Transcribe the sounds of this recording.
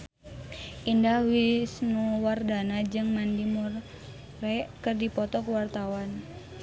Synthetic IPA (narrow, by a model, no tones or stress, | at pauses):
ʔindahwisnuwardanad͡ʒɨŋmandimurː | ekɨrdipɔt̪ɔkwart̪awan